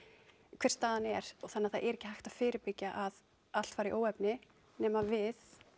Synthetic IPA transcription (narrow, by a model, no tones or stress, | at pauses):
kʰv̥ɛr̥st̪aːðanɛɾ̥ɔθanːɪaθaðʔɛɾɛːcːɪhajxt̪að̥fɪːɾɪɾpɪcjaʔað | al̥t̪faːɾiʔoːwɛpnɪ | nɛːmavɪð